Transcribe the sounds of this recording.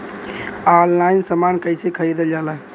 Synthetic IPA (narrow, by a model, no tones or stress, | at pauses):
allainsəmankəjsekʰəɾid̪eld͡ʒalaɦ